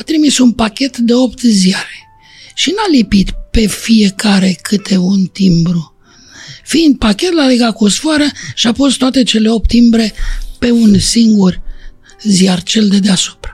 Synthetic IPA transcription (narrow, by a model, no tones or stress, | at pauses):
at̪ɾimisunpakʲe̞t̪d̪e̞o̞pt̪ziaɾe | ʃinalipit̪pe̞fije̞kaɾe̞kʰɨt̪ʰe̞unt̪imbɾu | find̪̚pakʲe̞t̪laleɡakosfoaɾəʃiapost̪oat̪e̞t͡ʃe̞le̞o̞p̚t̪ːimbɾe̞pe̞unsiŋɡur | ziart͡ʃe̞ld̪e̞d̪easu̥pɾḁ